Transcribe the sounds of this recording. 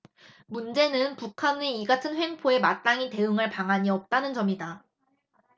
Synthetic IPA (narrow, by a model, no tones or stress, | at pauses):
mund͡ʑe̞nɯnpukʰaneiɡatʰɯnɸwe̞ŋpʰoe̞mat͈aŋite̞ɯŋaɭpaŋaɲiʌp̚t͈anɯnt͡ɕʌmida